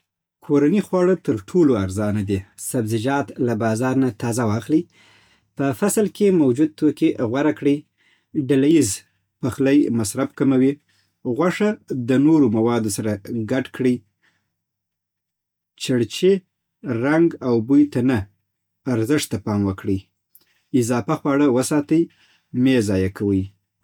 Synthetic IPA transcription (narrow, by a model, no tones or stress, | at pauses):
kʰoɾanixwɑɽət̪əɾʈʰoloaɾzɑnad̪isabzɪd͡ʒɑt̪labɑzɑɾnat̪ɑzawɑxli | pəfaslkemawd͡ʒud̪̚t̪okiɣwaɾakɽi | ɖalajiz | paxləjmasɾabkamawi | ɣwaʂad̪ənoɾomawɑd̪osaɾaɡaʈkɽi | t͡ʃaɽt͡ʃe | ɾaŋɡawbujt̪anaː | ɾzəʂt̪ːapɑmwəkɽi | ɪzɑfaxwɑɽawəsɑt̪əj | mezɑjakʰawəj